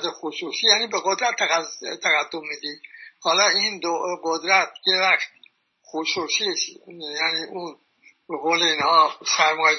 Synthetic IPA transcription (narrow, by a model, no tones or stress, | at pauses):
d̪exususijæniːbeɣod̪ɾæt̪ʰːæt̪ʰæɣæd̪ːomːid̪iːhɒːlɒːiːnd̪oɡod̪ɾæt̪ʰjevæxt̪̚ | xoʃuːsisjæniːʔun | beɣoːleiːnhɒːsæɾmɒː